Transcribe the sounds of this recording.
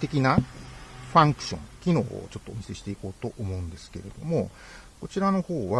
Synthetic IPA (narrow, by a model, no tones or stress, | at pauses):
t̪e̞kʲina | ɸãŋkɯ̟̥ɕõ̞ŋkʲino̞̰ːo̰t͡ɕo̞t̪ːo̞ːmise̞ɕi̥t̪e̞iko̞ːt̪o̞ʔomo̞ɯ̟̃nd̪e̞sɨ̥ke̞ɾe̞d̪̥o̞mo̞ | ko̞t͡ɕiɾano̞ho̞ːβa